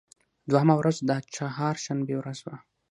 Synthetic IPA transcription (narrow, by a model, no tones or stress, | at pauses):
d̪waɦamawɾazd̪at͡ʃahɑɾʃanbewɾazwa